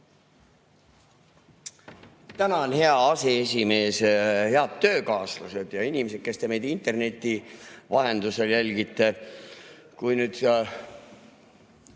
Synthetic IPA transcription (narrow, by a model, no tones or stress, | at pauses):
t̪ænɑonhe̞ɑɑsees̬ʲime̞ːshe̞ɑd̪̥t̪ːø̞ːkɑːsluse̞d̪̥jɑinʲimese̞t̪̚ke̞st̪e̞mejd̪̥int̪e̞rne̞t̪ːˑivɑɦe̞nd̪̥use̞ljælʲɡit̪ˑːe̞ | kujnyːd̪̥